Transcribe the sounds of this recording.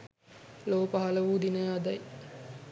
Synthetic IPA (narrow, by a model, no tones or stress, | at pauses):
loːpəɦaləʋuːd̪inəɐd̪ɐj